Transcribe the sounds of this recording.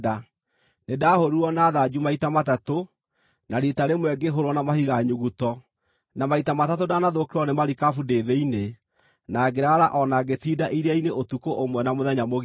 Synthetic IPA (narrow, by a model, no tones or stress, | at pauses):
da | nedahoɾuɔnaðad͡ʑumaitamatato | naɾitaɾemwɛɡeɦoɾwɔnamahiɣaɲuɣutɔ | namaitamatatodanaðokeɾɔnemaɾikafudeðeine | naɡeɾaɾaʔɔnaɡetidaʔiɾeaineʔotukoʔomwɛnamoðɛɲamoɣ